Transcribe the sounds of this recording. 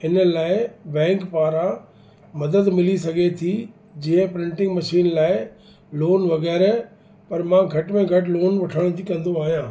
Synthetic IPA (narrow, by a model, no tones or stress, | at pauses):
ɪnə̆laːɪbɛ̃ːŋkpaːɾa | mɐd̪əd̪mɪlisɐɡʱet̪ʰi | d͡ʑiɦə̃pɾɪ̃ɳʈɪ̃ŋɡmɐʃiːnlaːɪ | loːnʋɐɣɛːɾ | pɐɾmãːɡʱɐʈmẽɡʱɐʈloːnʋɐʈʰəɽ̃t̪ikɐ̃nd̪oaːɦijãː